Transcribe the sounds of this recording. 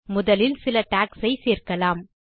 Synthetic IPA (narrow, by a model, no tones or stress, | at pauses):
mʊðɐlɪlsɪlɐʈaːksɐɪseːrkɐlaːm